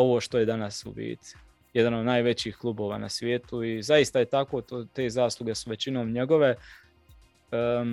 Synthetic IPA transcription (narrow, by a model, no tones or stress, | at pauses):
o̞ʋoːʃt̪o̞jed̪anasṵbḭːt̪i̥ | jed̪ano̞d̪naːjʋe̞t͡ɕiːxklˠuːbo̞ːʋaːnasʋje̞ːt̪uizaist̪aje̞t̪ako̞t̪ot̪e̞ːzaːslˠuɡe̞suʋe̞t͡ɕino̞ːmɲe̞ɡo̞ʋe̞ | ə